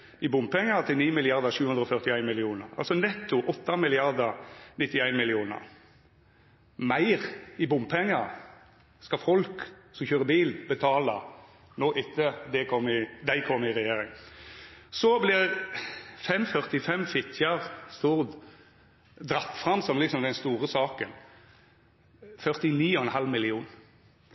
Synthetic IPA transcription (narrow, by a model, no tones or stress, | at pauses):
ɪbʊmbpʰɛŋːəɾt̪ʰɪlniːmɪlɪɑʁd̪ɑʃʉːhʉnd̪ɾɔfœʁt̪ɪæɪnmɪlɪuːnəʁɑ̰lsɔnɛt̪ːʊʔɔt̪ːɑmɪlɪɑʁd̪ɑnɪt̪ːɪæɪnmɪlɪuːnə̰ʁ | mæɪʁɪbʊmpʰɛŋːɑ | skɑfɔlksɔmçøːʁəbiːlbət̪ʰɑːlə | noːʔɪt̪ːəd̪ɛkʰɔmɪd̪æɪkʰɔmːɪʁɛjeːɾɪŋ | sɔblɪ | fɛmfœʁt̪ɪfɛmfɪt̪ʰjɑʁst̪uːʁd̪ | d̪ɾɑt̪ːfʁɑmsɔmlɪksɔmd̪ɛnst̪uːɾəsɑːkən | fœʁt̪ɪniːɔɛnɦɑlmɪlɪuːn